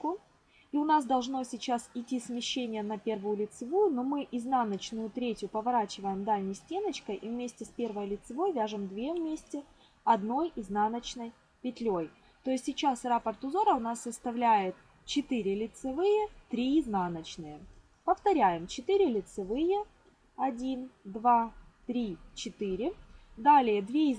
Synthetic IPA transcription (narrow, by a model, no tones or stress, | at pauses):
kʊ | iʊnas̬d̪ɐlˠʐno̞sʲɪt͡ɕasɪtʲːismʲɪɕːenʲɪjənɐpʲervʊjʊlʲɪt̪sɨvujʊnomɨʔɪznanət͡ɕnʊjʊt̪ɾʲetʲjʊpəvɐɾat͡ɕɪvəjɪmd̪alʲnʲɪjsʲtʲe̞nət͡ɕkəjʔivmʲesʲtʲɪspʲe̞rvəjlʲɪt̪sɨvo̞jvʲæʐɨmd̪vʲe̞vmʲesʲtʲɪ | ɐd̪no̞jznanət͡ɕnəj | pʲɪt̪ʲlʲoj | t̪o̞jɪsʲtʲːɪt͡ɕasrapərt̪ʊzo̞ɾəʊnasːəst̪ɐvlʲæjɪt̪ | t͡ɕɪt̪ɨɾʲɪlʲɪt̪sɨvɨjət̪ɾʲiznanət͡ɕnɨjə | pəft̪ɐɾʲæjɪmt͡ɕɪt̪ɨɾʲɪlʲɪt̪sɨvɨjə | ɐdʲind̪vat̪ɾʲit͡ɕɪt̪ɨɾʲɪd̪alʲɪjəd̪vʲe